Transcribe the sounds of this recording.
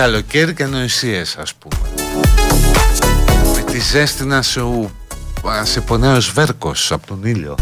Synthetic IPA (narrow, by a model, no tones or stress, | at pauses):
kalo̞ceɾiceanoisiesɐspumḛ | pumet̪izest̪inɐs | seponeozveɾkosapot̪oniʎo̰